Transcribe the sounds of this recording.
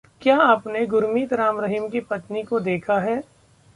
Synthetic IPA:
kjaːaːpneɡʊɾmiːt̪ɾaːmɾəɦɪmkipɐt̪nikod̪eːkʰaɦɛː

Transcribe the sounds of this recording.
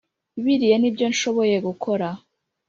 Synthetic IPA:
iβiɾijenibjo̞nʃo̞βo̞je̞ɡukʰo̞ɾa

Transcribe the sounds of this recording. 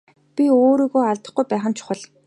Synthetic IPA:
pʲioːɾiːɣoːaɮt̪ə̆χɡujpæːχə̆nt͡ɕʰʊ̥χə̆ɮ

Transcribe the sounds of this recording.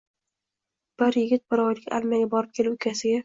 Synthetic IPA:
b̥ɪɾjɪɡʲɪt̪̚bɪɾɒjlɪkʲʰa̰lˠmaɡʲabɒɾɪp̚kʲʰe̞lɪʊkʲʰasɪɡʲa

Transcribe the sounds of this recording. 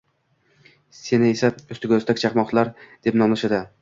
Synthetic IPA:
se̞nɪe̞saʊst̪ɪɡʲɵzt̪akʰʲt͡ʃʰaqmɒχt̪ʰlˠaɾd̪e̞pnɒmlˠɪʃad̪a

